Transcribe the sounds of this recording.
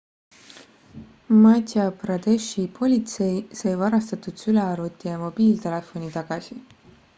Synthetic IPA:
mɑt̪ʲjɑprɑd̪eʃipʰo̞lʲit̪se̞jsɤjvɑɾɑst̪ɑt̪ud̪̥syleɑɾut̪ʲːˑijɑmo̞b̥iːlt̪e̞le̞fo̞nit̪ɑɡ̥ɑsʲi

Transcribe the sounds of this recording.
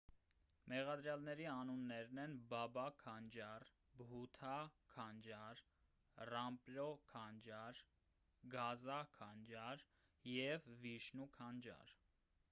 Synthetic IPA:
mɛʁɑd̪ɾjɑlnɛɾiɑnunːɛɾnɛnbɑbɑkʰɑnd͡ʒɑr | bɦut̪ʰɑkʰɑnd͡ʒɑɾ | rɑmpɾɔkʰɑnd͡ʒɑɾ | ɡɑzɑkʰɑnd͡ʒɑɾ | jɛvviʃnukʰɑnd͡ʒɑ̰ɾ

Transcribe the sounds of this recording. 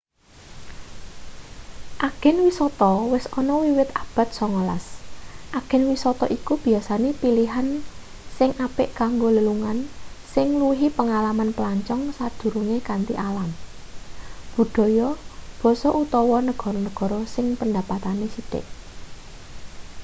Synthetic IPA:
ʔaɡ̥ɛ̤nwisɔt̪ɔwɪsɔnɔwiwɪt̪ab̥a̤t̪̚sɔŋɔla̰sʔaɡ̥ɛ̤nwisɔt̪ɔʔikub̥i̤jasanepiliɦan | sɪŋʔapɪʔkaŋɡoləluŋansɪŋluɦipəŋalamanpəlaɲt͡ʃɔŋsad̪̥ṳɾuŋekant̪ḭʔalam | b̥ṳd̥ɔ̤jɔb̥ɔ̤sɔʔut̪ɔwɔnəɡ̥ɔ̤ɾɔnəɡ̥ɔ̤ɾɔsɪŋpənd̪apat̪anesiɖ̥ɪ̰ʔ

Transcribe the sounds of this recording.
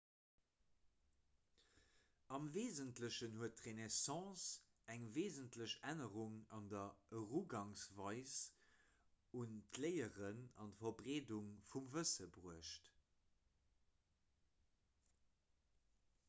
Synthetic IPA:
ɑmveːzəntləɕənhuətʁenesɑ̃ːs | æŋveːzəntləɕænəʁuŋɑndɐəʁuɡɑŋsvɑɪs | untʰlɜɪəʁənɑntfɐbʁeːduŋfumvəsəbʁuəɕt

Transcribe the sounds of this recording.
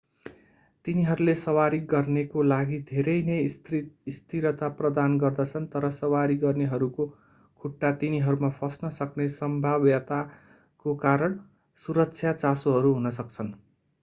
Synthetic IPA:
t̪iniɦʌɾulesʌwaɾiɡʌrnekolaɡid̪ʱeɾʌjnʌjist̪iɾʌt̪aprʌd̪anɡʌrd̪ʌt͡sʰʌnt̪ʌɾʌsʌwaɾiɡʌrneɦʌɾuko | kʰuʈːat̪iniɦʌɾumapʰʌsnʌsʌknesʌmbʱabjʌt̪a | kokaɾʌɳ | suɾʌkt͡sʰjat͡sasoɦʌɾuɦunʌsʌk̚t͡sʰʌn

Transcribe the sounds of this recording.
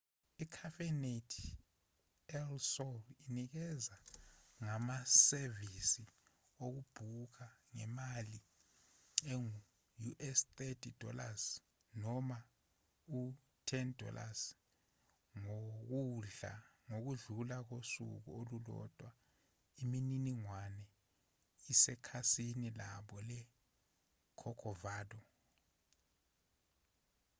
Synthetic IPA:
ikʰafɛnetʰ | ɛlsɔlinik̬ɛzaŋamasevisi | ok̬ub̥ʱuk̬aŋɛmali | eŋu | juʔɛst̪etʰid̥ʱɔ̰las | nɔma | u | tʰɛndʱɔ̰lʔa̰s | ŋok̬uɮa̰ŋok̬uɮulak̬osṵk̬ṵolulɔ̰d̥ʱʼwa | imininiŋwanɛ | isɛkʰasinilaɓɔlɛ | kʰɔkʰɔvaːdɔ

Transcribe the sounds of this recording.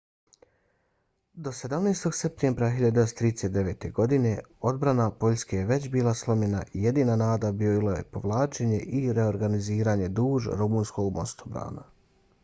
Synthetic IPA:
d̪o̞se̞d̪amneːst̪o̞ɡse̞p̚t̪embɾaxiʎad̪st̪ɾiːd̪eset̪d̪e̞ʋe̞ːt̪e̞ɡo̞d̪ine̞o̞d̪bɾanapo̞ʎske̞jeʋe̞t͡ɕbiːlˠaslˠo̞mɲena̰ʔije̞d̪iːnanaːd̪abilˠoje̞̰po̞ʋlˠaːt͡ʃe̞ɲe̞ʔiɾeo̞ɾɡaniziːɾaɲe̞d̪uːʒɾumuːnsko̞ɡmo̞st̪obɾa̰ːna̰

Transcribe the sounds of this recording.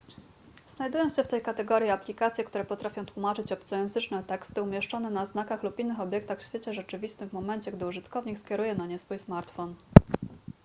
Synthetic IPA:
z̥najd̪ujɔ̃w̃ɕɛft̪ɛjkat̪ɛɡɔɾjiaplʲikat̪sʲjɛkt̪uɾɛpɔt̪ɾafʲjɔ̃w̃t̪wumat͡ʂɘt͡ɕɔpt̪sɔjɛ̃nzɘt͡ʂnɛt̪ɛkst̪ɘumʲjɛʂt͡ʂɔnɛnaznakaxlupinːɘxɔbʲjɛk̚t̪axfɕfʲjet͡ɕɛʐɛt͡ʂɘvʲist̪ɘmːɔmɛnɲt͡ɕɛɡd̪ɘuʐɘt̪kɔvɲikskʲɛɾujɛnaɲɛsfujsmaɾt̪fɔn

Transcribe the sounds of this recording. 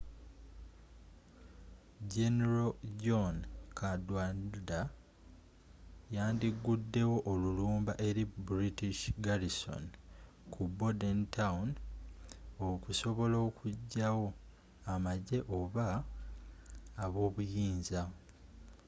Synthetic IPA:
ɟeneɾoɟonkʰadwanda | jaːndiɡudːe̞wo̞ʔoluluːmbaʔe̞ɾibɾitiʃɡaliso̰n | kʰubodentawun | okuso̞βo̞lo̞ːkʰuɟːawo̞ | amaɟe̞ʔo̞βa | βo̞ːβujiːnza

